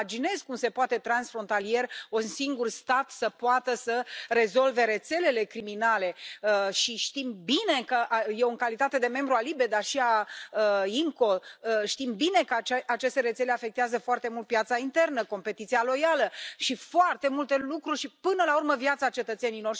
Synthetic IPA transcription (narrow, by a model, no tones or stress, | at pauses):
d͡ʒine̞zkumse̞poat̪e̞t̪ɾansfɾo̞nt̪alije̞runsiŋɡurst̪at̪səpoat̪əsəre̞zo̞lve̞ɾe̞t̪se̞le̞le̞kɾiminale̞əʃiʃt̪imbine̞kəʔjeoŋkalit̪at̪e̞d̪e̞me̞mbɾualibed̪arʃiaəimko̞əʃt̪imbine̞kəat͡ʃe̞st̪e̞ɾe̞t̪se̞le̞afe̞k̚t̪eazəfoart̪e̞mult̪̚pjat̪saint̪e̞rnəko̞mpe̞t̪it̪sialo̞jaləʃifoart̪e̞mult̪e̞lukɾurʲʃipɨnəlaurməvjat̪sat͡ʃe̞t̪ət̪se̞nilo̞r